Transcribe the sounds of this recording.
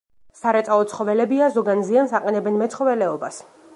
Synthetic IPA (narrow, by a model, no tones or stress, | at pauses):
saɾɛt̪sʼalˠɔt̪sʰχɔvɛlɛbiazɔɡanziansaqʼɛnɛbɛnmɛt̪sʰχɔvɛlɛɔbas